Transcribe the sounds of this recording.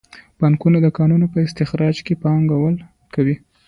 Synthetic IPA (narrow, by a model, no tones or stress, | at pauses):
b̥aŋkunad̪əkɑnunopəɪst̪ɪxɾɑd͡ʒkepɑŋɡawəl | kawi